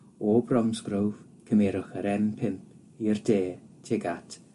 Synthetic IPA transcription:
oːbrɔmsɡrowv̥ | kʰəmɛːɾʊχəɾɛmpʰɪmpʰ | irdeːtʰɪɡatʰ

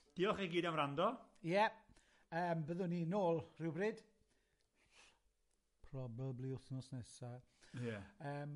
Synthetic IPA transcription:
d̥iːɔχeɡiːdamrandɔjɛ | əːmbəðʊninoːlˠrɪwbrɪːd̥ | pʰrɔbɛbliʊθnɔsnɛsa | jɛəːm

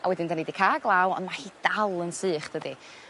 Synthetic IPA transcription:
ʔawɛdɪndanidikʰaːɡlˠawɔ̰nmahid̥alˠənsɨːχd̥ədi

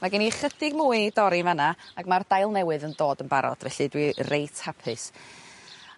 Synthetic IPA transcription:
maɡɛniχədɪɡmuːɨdɔɾivanaaɡmard̥ajlˠnɛwɨðəndoːdənbaɾɔ̰d̥vɛɬɨdwirejtʰhapʰɨs

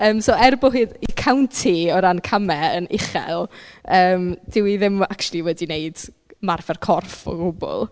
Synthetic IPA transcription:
əːmsoːɛrbʊɦɨːdikʰawntʰiɔɾankʰamɛənɪ̰χɛ̰lˠəːmd̥ɪwiðɪmakt͡ʃlˠiwɛdineɨd̥ | marfɛrkʰɔrfɔ̰ɡʊbʊ̰lˠ

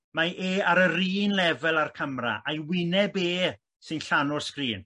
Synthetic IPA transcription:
maʔeːaɾəriːnlɛvɛlˠarkʰəmra̰ʔajwɪnɛbeː | sɨnɬanʊskriːn

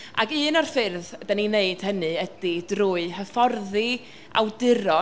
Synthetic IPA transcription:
a̰ɡɨːnɔrfɪrðd̥anineɨd̥hənɨədidruːɨɦəfɔrði | a̰wdɪɾɔ

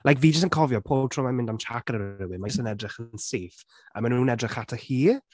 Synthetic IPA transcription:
lˠʔajkviːd͡ʒəs̬tənkʰɔvjɔpʰoːbtʰroːmamɪ̃ndamt͡ʃʰakəɾəɪwɪmastənɛdrɪχənseːf | ə̰manuːnɛdrɪχatʰəhiː

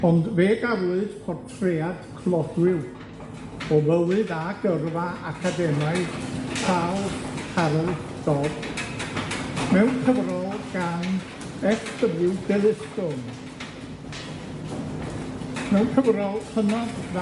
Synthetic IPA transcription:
ɔndveːɡavlʊɨd̥kʰwɔrtʰread̥kʰlˠɔdwɪw | ɔvəwɨðaɡərvaʔakʰadɛmaɨkʰawhʰaɾɛlˠd̥ɔb | mɛwnkʰəvrɔlˠɡ̥an | ɛksəvɪwdɛlˠɪskɔm | mɛwnkʰəvrɔlˠhʰənɔdv

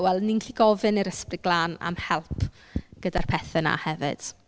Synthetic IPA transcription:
wɛlˠninɬiɡɔvɪniɾəsprɪɡ̚ɡlˠaːna̰mhɛlˠpʰ | ɡ̥ədarpʰɛθɛna̰hɛvɪ̰d̥

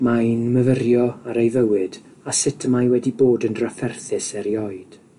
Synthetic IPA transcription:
majnməvərjɔaɾejvəwɨd̥ | asɪtʰəmajwɛdiboːdənrəfɛrθɨsɛɾjɔɨd̥

